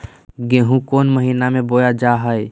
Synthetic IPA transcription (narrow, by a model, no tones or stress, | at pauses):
ɡẽɦũkonməɦinamẽbojad͡ʒaɦəj